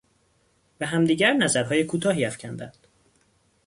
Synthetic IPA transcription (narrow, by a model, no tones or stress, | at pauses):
bæɦæmd̪iːɟæɾnæzæɾɦɒːjekʰuːt̪ʰɒːɦiːæfcʰænd̪ænd̪̥